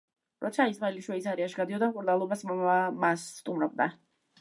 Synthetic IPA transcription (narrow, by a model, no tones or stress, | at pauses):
ɾɔt̪sʰaisvaliʃwɛisaɾiaʃɡad̪iɔd̪amkʼuɾnalˠɔbasmasːt̪ʼumɾɔb̚d̪a